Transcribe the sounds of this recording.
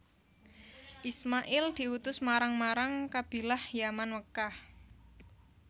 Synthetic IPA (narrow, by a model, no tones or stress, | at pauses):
ʔismaʔɪld̪̥i̤wut̪ʊsmaɾaŋmaɾaŋkab̥i̤lahjamanwəkah